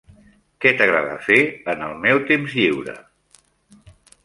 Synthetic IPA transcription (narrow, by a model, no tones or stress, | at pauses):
kɛt̪əɣɾa̰ðə̰feənəlˠmɛwt̪emzʎiwɾə̰